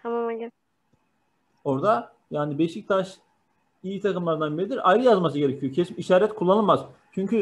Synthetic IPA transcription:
t̪ʰamamaɡɛ | o̞ɾd̪a | jaːnibɛʃʲict̪ʰaʃ | ijit̪ʰakɯmlˠaɾd̪anbiɾid̪iɾajɾɯjazmas̬ɯɟe̞ɾecʰijocʰe̞simiʃaːɾɛt̪kʰulˠːanɯlˠmazt͡ʃʰyɲcʰy

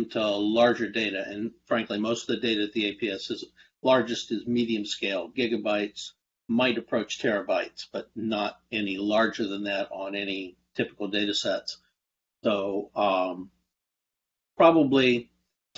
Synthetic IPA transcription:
mtʰəəlɑɹd͡ʒə˞deɪɾɨʔɨ̃nfɹæ̃ŋklimoʊstʌvðɨdeɪɾɨɨt̪̚ðieɪpʰiɛsɨz | lɑɹd͡ʒɨstɨzmiɾiɨ̃mskeɪlˠɡɪɡɨbaɪts | maɪɾɨpʰɹ̥oʊt͡ʃtʰɛɹɨbaɪtsb̥ʌt̚ⁿnəɾɛnilɑɹd͡ʒə˞ðɨ̃nðɨɾn̩ɛnitʰɪpə̥kl̩ˠdeɪɾɨsɛts | soʊ | pʰɹ̥ɑbəbli

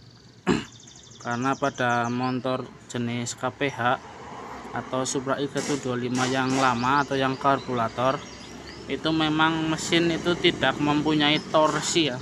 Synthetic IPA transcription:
kaɾənapaɖ̥amɔnt̪ɔrd͡ʒ̥ənɪskapeɦaʔ | at̪awsupɾaʔiɡ̥a̤t̪udualimajaŋlamaːt̪awjaŋkɔrbulat̪ɔr | ʔit̪umemaŋməsɪnit̪ut̪id̥a̤k̚məmpuɲait̪ɔrsija

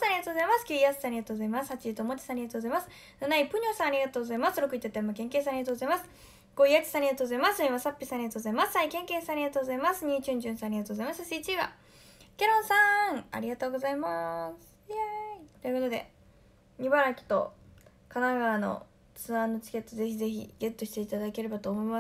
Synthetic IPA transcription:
saɾiɡat̪oɡozaimasɨ̥kʲɯiasɨ̥saːɾiɡat̪o̞ːɡozaimasɨ̥hat͡ɕiit̪oːmot͡ɕi̥sãːɾʲiɡat̪oɡozaimasɨ̥ | nanaipɯ̟ɲ̟ʲosãːaɾʲiɡat̪oːɡozaimasɨɾokɯ̟it̪ːet̪ːaimːakẽ̞ŋkes̬ãaɾʲiɡat̪oɡozaimasɨ̥ | ɡ̥oiat͡ɕi̥sãaɾʲiɡat̪oɡozaimasĩβasapʲːisãːɾʲiɡat̪o̞ːozaimassaikẽ̞ŋke̞ːsãːɾʲiɡat̪o̞ːɡozaimasɨɲ̟iːt͡ɕɨ̃ɲd͡ʑɨ̃sãːɾʲiɡat̪oːzaimassiːt͡ɕiβa̰ | kʲeɾõ̞ɰ̃sãŋa̰ɾʲiɡat̪o̞ːɡo̞zaimasɨ̥at̪ojɯ̟kot̪od̪e̞̰ | ɲ̟ibaɾakʲi̥t̪o̞̰ | kanaɡaɾano̰ | t͡sɨãnːo̞t͡ɕi̥ke̞t̪ːo̞ze̞çize̞çḭɡe̞t̪ːo̞ɕi̥t̪eit̪ad̪ake̞ɾe̞bat̪o̞ːmo̞ima

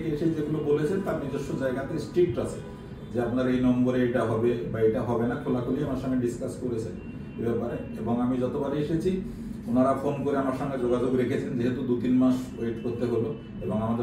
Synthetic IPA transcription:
keeʃed͡ʑeɡulobolet͡ɕʰent̪aɾnid͡ʑeʃod͡ʑaeɡat̪ʰesʈɾiʈat͡ɕʰe̥ | d͡ʑeapnaɾejnɔmboɾeejʈaɦɔbebaejʈaɦɔbenakʰolakʰoliamaɾʃɔŋeɖiskaskoɾet͡ɕʰen | ebɛpaɾeeboŋamid͡ʑɔt̪obaɾeeʃet͡ɕʰi | unaɾafonkoɾeamaɾʃɔŋɡed͡ʑoɡad͡ʑoɡɾekʰet͡ɕʰend͡ʑeɦet̪ud̪ut̪inmaʃweʈkoɾt̪eɦolo | eboŋamad̪e

